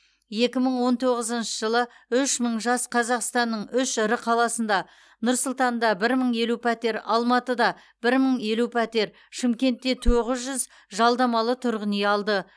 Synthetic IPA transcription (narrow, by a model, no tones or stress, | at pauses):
je̞kʲɪməɴwo̞nt̪ʰo̞ʁəzənʃəʒəlˠə | ʏʃməɴʒɑsqʰɑzɑqst̪ɑnːəɴʏʃɪɾɪqʰɑlˠɑsənd̪ɑ | nʊɾsʊlˠt̪ɑnd̪ɑbɪɾməɴje̞lupʰat̪e̞ɾɑlˠmɑt̪əd̪ɑ | b̥ɪɾməɴe̞lupʰat̪e̞ɾ | ʃɪmkʲe̞nt̪ːe̞t̪ʰoʁəzʒʏz | ʒɑlˠd̪ɑmɑlˠət̪ʰʊɾʁəneɑlˠd̪ə